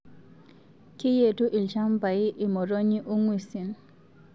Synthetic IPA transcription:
ki˦je˦˨tu˦ʔi˨lt͡ʃa˦mba˨i˦ʔi˨mɔ˨ɾo˦ɲi˦ʔu˦ŋwi˨si˨n

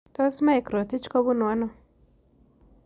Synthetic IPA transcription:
t̪ɔ˦sma˦e˨kɾo˨t̪ɪ˦t͡ʃkɔ˦bu˦nwa˦nɔ˦

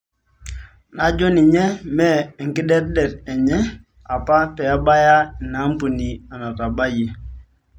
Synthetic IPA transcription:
na˨d͡ʒo˦ni˨ɲɛ˦mɛ˦˨ŋ̩˨ki˦dɛ˦t̚dɛ˨tɛ˨ɲɛ˦ | a˨pa˦pɛ˨a˦ba˦ja˦i˨na˨˦m˦pu˨ni˨a˨na˨ta˨ba˦je˨

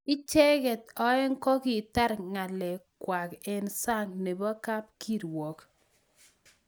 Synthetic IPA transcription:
ɪ˦t͡ʃɛ˦ɡɛ˨tɔ˦ɛ˦ŋkɔ˦kɪ˨ta˦ɾŋa˨lɛ˨kwa˨kɛ˨nsa˦ŋne˨ba˦ka˦p̚ki˦ɾwɔ˨k

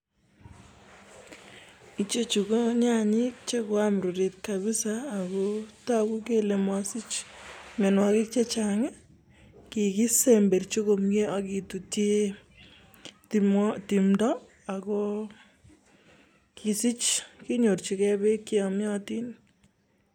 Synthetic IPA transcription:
it͡ʃe˦t͡ʃu˨ko˦ɲa˦ɲi˦k̚t͡ʃe˦kwa˦mɾu˨ɾi˨t̪̚kaβi˦saː˦˨ko˦ta˦ku˦ke˦le˨mɔ˦si˦t͡ʃme˨nwa˧ki˦k̚t͡ʃe˦t͡ʃaŋɛ˦ | ki˨ki˦sembe˨rt͡ʃo˦ko˨mɡe˦ʔa˨ki˨tu˨te˦ | ti˨mdɔ˦ | a˨ko˦ | ki˨si˦t͡ʃki˦ɲo˨rt͡ʃi˨kɛ˦be˦kːi˦ɔ˨mjɔ˦ti˦n

